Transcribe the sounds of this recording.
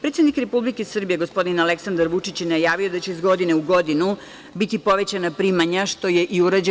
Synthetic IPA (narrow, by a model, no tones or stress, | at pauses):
pɾet̪sed̪nikɾepublikesr̩bije̞ɡo̞spo̞d̪inaleksand̪aɾʋut͡ʂit͡ɕjenajaːʋijo̞d̪at͡ɕeizɡo̞d̪ineuɡo̞d̪inu | bit̪ipo̞ʋe̞t͡ɕanapɾiːmaɲaʃt̪o̞je̞ʔiuɾad͡ʑe